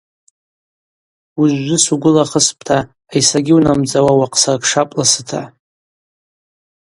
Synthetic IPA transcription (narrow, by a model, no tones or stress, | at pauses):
uʒʷːɪsuɡʷʊlaχəspʼʰtʰaː | jsaɡʲɪwnamd͡zʼawawaqʰʼsarkʂapʼlasɨtʰa